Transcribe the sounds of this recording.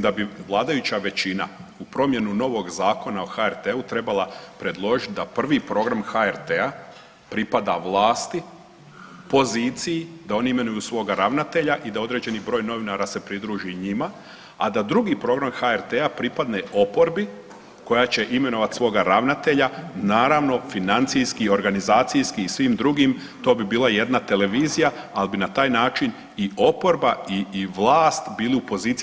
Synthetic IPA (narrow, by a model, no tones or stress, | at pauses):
d̪abiʋlˠaːd̪ajut͡ɕaʋe̞t͡ɕina̰upɾo̞mje̞nuno̞ʋo̞ɡzaːko̞naoxaeɾt̪eut̪ɾe̞balˠapɾe̞d̪lˠo̞ʒit̪̚d̪apr̩ʋipɾo̞ɡɾamxaeɾt̪ea | pɾipad̪aʋlˠaːst̪i | po̞ziːt̪sijid̪ao̞niime̞nujusʋo̞ːɡaɾaʋnat̪eʎaʔid̪ao̞d̪ɾe̞d͡ʑe̞nibɾo̞ːjno̞ʋinaɾase̞pɾid̪ɾuːʒiɲima | a̰d̪ad̪ɾuɡipɾo̞ɡɾamxaeɾt̪eapɾipad̪ne̞ʔo̞po̞ɾbi | ko̞jat͡ɕe̞ʔime̞no̞ʋat̪sʋo̞ːɡaɾaʋnat̪e̞ʎanaːɾaʋno̞finant̪sijskio̞ɾɡanizaːt̪sijskiːsʋimd̪ɾuɡim | t̪o̞ːbibiːlˠaje̞d̪nat̪e̞le̞ʋiːzija | albinat̪aːjnaːt͡ʃin | io̞po̞ɾbaiʋlaːst̪biːliupo̞ziːt̪